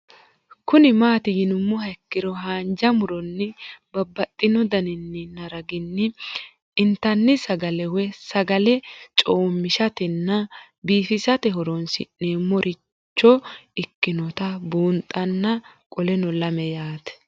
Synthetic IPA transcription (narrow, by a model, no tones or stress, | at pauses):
kʊnɪmaːt̪ɪjɪnʊmːʊɦɐkːɪɾɔɦaːnd͡ʒɐmʊɾɔnːɪbɐbːɐt̪ʼːɪnɔd̪ɐnɪnːɪnɐɾɐɡɪnːɪ | ɪnt̪ːɐnːɪsɐɡɐlɛwɛsɐɡɐlɛt͡ʃʼoːmːɪʃɐt̪ɛnːɐ | biːfɪsɐt̪ɛɦɔɾɔnsɪ̰neːmːɔɾʔɪ | t͡ʃːɔɪkːɪnɔt̪ɐbuːnt̪ʼːɐnːɐkʼɔlɛnɔlɐmɛjaːt̪ɛ̥